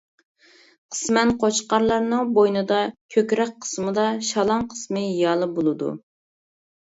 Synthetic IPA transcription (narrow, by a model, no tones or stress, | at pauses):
qʰə̥smɛnqʰot͡ʃqɑɾlˠɑɾnɨŋbojnɨd̪ɑkʲʰøkʲɾɛk̚ʲqʰə̥smɨd̪ɑʃɑlˠɑŋqʰə̥smɨjɑlˠɨbolˠɨd̪ṵ